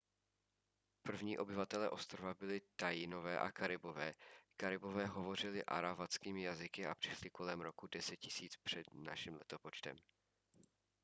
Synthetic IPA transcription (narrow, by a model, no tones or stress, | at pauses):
pr̩vɲiːʔo̞bɪvat̪ɛlɛːʔo̞st̪ɾovabɪlɪt̪ajino̞vɛːʔa̰kaɾɪbo̞vɛːkaɾɪbo̞vɛːɦo̞vo̞r̝ɪlɪʔa̰ɾavat͡skiːmɪjazɪkɪapr̥ɪʃlɪko̞lɛmɾo̞kudɛsɛt̪̚cɪsiːt͡spr̥ɛd̪na̰ʃɪmlɛ̰t̪opo̞t͡ʃt̪ɛ̰m